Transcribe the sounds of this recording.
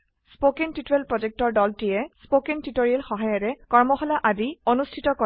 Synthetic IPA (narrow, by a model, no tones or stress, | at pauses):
spokentitɹelpɹɔd͡ʒek̚tɔɹdɔltijɛspokentitoɹiɛlxɔɦajɔɾɛkɔɹmɔxɔlaʔadionustʰitɔkɔ